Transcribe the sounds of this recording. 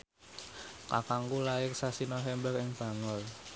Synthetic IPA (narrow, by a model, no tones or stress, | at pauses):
kakaŋɡulaɪksasinɔɦɛmbɛrɪŋb̥ä̤ŋʊl